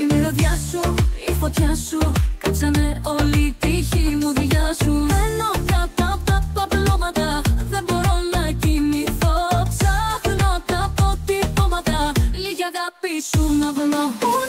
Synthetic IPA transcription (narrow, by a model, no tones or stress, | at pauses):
ineoðʝɐsuifo̞t̪çɐsukɐpsɐne̞o̞lit̪içimuðiʝɐsuenokɐt̪ɐpt̪ɐpɐvlomɐt̪ɐðe̞mbo̞ɾo̞nɐciniθopsɐfnot̪ɐpot̪ipomɐt̪ɐliʝɐɣɐpisunɐðno